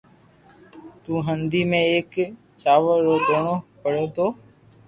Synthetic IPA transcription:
t̪ũːɦənd̪iːmẽːeːk | t͡ʃaːʋəɾoːɡ̪oːɳoːpəɽ̤eːt̪oː

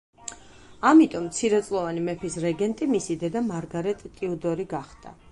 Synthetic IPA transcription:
amit̪ʼɔmt̪sʰiɾɛt̪sʼlˠɔvanimɛpʰisɾɛɡɛnt̪ʼimisid̪ɛd̪amaɾɡaɾɛt̪ʼt̪ʼiud̪ɔɾiɡaχd̪a̰

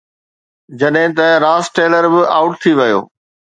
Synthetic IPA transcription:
d͡ʑɐɗɦɪ̃t̪ɐɾaːsʈeːləɾbɪʔaːʊʈ̚t̪ʰiʋɐjo̰ː

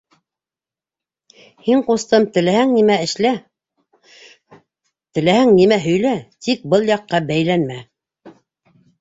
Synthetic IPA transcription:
hiɴqust̪ɤmt̪ɘ̆læhæŋnimæɘ̆ʃlæ | t̪ɘ̆læhæŋnimæɦɵ̆jlæt̪ik̚bɤlˠjɑqːɑbæjlænmæ

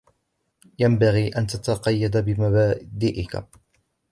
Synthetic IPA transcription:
jambaɣiːʔant̪at̪ɑqɑjːad̪abɪmabaːd̪iːʔɪka̰

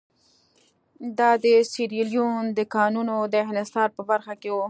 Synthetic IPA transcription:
d̪ɑd̪əsiɾiljund̪əkɑnunod̪əɦnɪst̪ɑɾpəbaɾxakewu

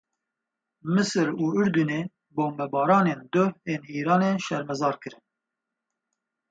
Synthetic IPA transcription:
mɨsɨɾuːʊɾd̪uneː | boːmbɛbɑːɾɑːneːnd̪ʊheːniːɾɑːneːʃɛɾmɛzɑːɾkɨɾɨn

